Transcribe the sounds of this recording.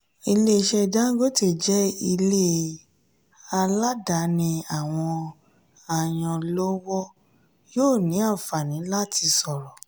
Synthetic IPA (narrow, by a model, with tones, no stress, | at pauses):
i˧le˦˧ʃɛ˧da˦ɡo˦te˦˨d͡ʒɛ˦i˧le˦ | a˧la˦da˨˦nĩ˧a˨w̃ɔ̃˧ | a˦˨j̃ɔ̃˧lo˦wɔ˦ | joː˦˨nĩ˨˦a˦˨fa˨nĩ˨˦la˦˨tʰi˧sɔ˨ɾɔ˨